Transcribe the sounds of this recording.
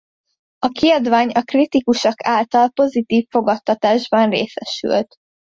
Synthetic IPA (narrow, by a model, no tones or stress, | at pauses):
ɒkiɒd̪vaːɲɒkrit̪ikuʃɒkʰaːlt̪ɒlpo̞zit̪iːfːo̞ɡɒt̪ːɒt̪aːʒbɒnrḛːsɛʃy̰lt̪